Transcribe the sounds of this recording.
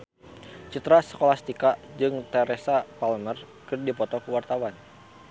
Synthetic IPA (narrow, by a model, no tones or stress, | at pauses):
t͡ʃit̪ɾasə̥kolast̪ikaʔd͡ʒɨŋt̪ɛɾesapalmər | kɨrdipɔt̪ɔkuwart̪awan